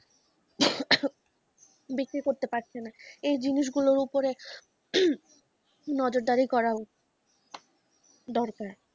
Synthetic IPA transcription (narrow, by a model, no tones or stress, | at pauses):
bikɾikoɾt̪epaɾt͡ɕʰenaejd͡ʑiniʃ̬ɡuloɾupoɾe | nɔd͡ʑoɾd̪aɾikɔɾao | d̪ɔɾkaɾ